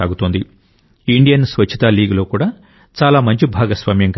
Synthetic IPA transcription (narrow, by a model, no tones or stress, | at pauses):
aːɡut̪oːnd̪i | iɳɖijɐnsʋɐt͡ʃʰːi̥t̪aːliːɡlo̞ːkuːɽaː | t͡ʃaːlaːmɐɲt͡ʃibʱaːɡɐsʋaːmjɐŋk